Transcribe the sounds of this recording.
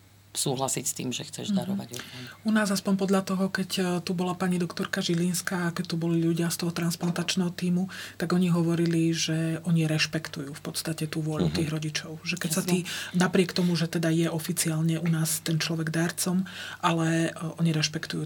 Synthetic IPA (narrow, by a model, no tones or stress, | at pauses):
suːɦlasicst̪ḭːmʒɛ̰xt͡sɛ̰ʒd̪aɾɔa̰unaːzaspɔɲpɔd̪ʎat̪ɔɦɔkɛct̪ubɔlapaɲid̪ɔkt̪ɔɾkaʒilinskaːkɛct̪ubɔliʎuɟɪast̪ɔɦɔt̪ɾansplant̪at͡ʃnɛːɦɔt̪iːmut̪aɡɔɲiɦɔʋɔɾiliʒɛɔɲiɾɛʃpɛkt̪ujuːfpɔt̪st̪acɛt̪uːʋʊɔʎṵt̪iːɣɾɔɟit͡ʃɔʊʒɛkɛsat̪iːnapɾɪɛkt̪ɔmuʒɛt̪ɛd̪ajɛʔɔfit͡siaːlɲɛʔunaːst̪ɛnt͡ʃlɔʋɛɡd̪aːɾt͡sɔmʔalɛɔɲiɾɛʃpɛkt̪ujuː